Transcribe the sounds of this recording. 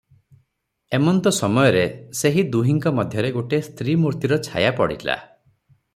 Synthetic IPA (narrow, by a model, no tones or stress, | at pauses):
emɔnt̪ɔsɔmɔjɔɾeseɦid̪uɦiŋkɔmɔd̪ʱjɔɾeɡoʈest̪ʰɾimuɾt̪iɾɔt͡ʃʰa̰japɔɽḭla̰